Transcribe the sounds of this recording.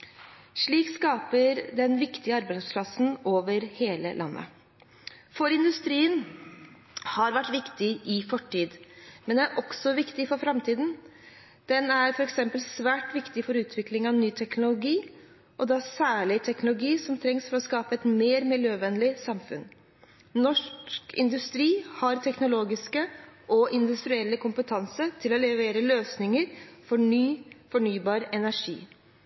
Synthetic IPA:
ʂɭiːkskɑːpəɾd̪ɛnʋɪkt̪ɪəɑɾbæɪspʰlɑsn̩oːʋəɾheːlə̰lʔɑ̰nːʔə̰ | fɔɾɪnd̪ʉst̪ɾiːən | hɑɾʋæʈːʋɪkt̪ɪʔɪfɔʈʰːiːd̪mɛnd̪ɛæɾʔɔksɔʋɪkt̪ɪfɔɾfɾɑmt̪ʰiːd̪n̩ | d̪̥ɛnæɾfɔɾɛksɛmpəlsʋæːʈʋɪkt̪ɪfɔɾʉːt̪ʰʋɪklɪŋɑʋnyːt̪ʰɛknʊlʊɡiː | ʔɔd̪ɛæsæːɭɪt̪ʰɛknʊlʊɡiːsɔmt̪ʰɾɛŋsfɔɾɔskɑːpəɛt̪meːɾmɪljøːʋɛnlɪsɑmfʉn | nɔʂkʰɪ̰nd̪ʉst̪ɾiːhɑɾt̪ʰɛknʊloːɡɪskəʔɔʔɪnd̪ʉst̪ɾʏɛlːəkʊmpət̪ʰɑnsət̪ʰɪlɔlɛʋeːɾəløːsnɪŋəɾfɔɳyːfɔɳyːbɑːɾɛnæʂḭː

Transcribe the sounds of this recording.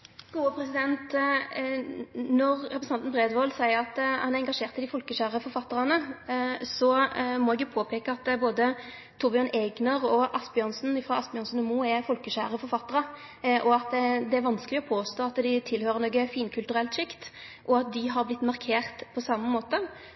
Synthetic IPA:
ɡ̥uːəpʰɾɛsɪd̪ɛnt̪ | nɔʁɾɛpɾsɑnt̪nbʁeːd̪ʋoːlsæɪəʁɑt̪hɑnæʁɛŋɡɑʂeːʁt̪ɪd̪ɪfɔlkəʃæːʁəfɔɾfɑt̪ːəɾɑnə | sɔmɔɛɡjʊpʰoːpʰeːkəɑt̪boːd̪ə | t̪ʰubɪɑnɛɡnɑʁɔʔɑsbɪɔnsnɪfɾɑɑsbɪɔnsn̩əmuːɛfɔlkəʃæːɾəfɔɾfɑt̪ːəʁə | ʔɔɑt̪d̪ɛæɾʋɑnskəlɪɔpʰoːst̪oːɑt̪d̪ɪt̪ʰɪlhøːɾəɾnoːɡəfiːnkʰʉlt̪ʉɾɛlt̪ʃɪkt̪ | ʔɔɑt̪̚d̪ɪɦɑɾblɪt̪ːmɑʁkʰeːʁt̪pʰɔsɑmːəmoːt̪ə

